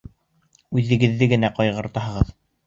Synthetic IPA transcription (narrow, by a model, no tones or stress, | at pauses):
ʉðɘ̆ɡɘ̆ðːɘɡɘ̆næqɒjʁɤ̆ɾt̪ɑɦɤ̆ʁɤð